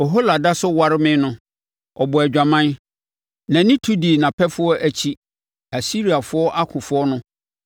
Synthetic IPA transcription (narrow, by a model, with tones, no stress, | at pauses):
ɔ˨ɦo˦la˨da˦sʊ˦wa˦ɾɪ˦mɪ̃˦nʊ̃˦ | ɔ˨bʊ˨æ˨d͡ʑᶣã˨mã˦n | nã˨˦nɪ̃˦tʰu˦di˨nã˨pʰɛ˦fʊ˦ɔ˦ʔæ˦t͡ɕʰi˦ | æ˨si˦ɾi˨a˨fʊ˦ɔ˦ʔa˦kʰʊ̃˨fʊ˨˦ɔ˦nʊ̃˦